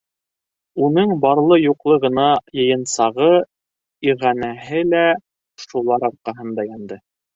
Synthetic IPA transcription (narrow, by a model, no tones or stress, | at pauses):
unɤɴbɑɾlˠɤjuqlˠɤʁɤ̆nɑjɤ̆jɤ̆nsɑʁɤ | iʁænæɦɘlæ | ʃulˠɑɾɑɾqɑɦɤ̆nd̪ɑjɑnd̪ɤ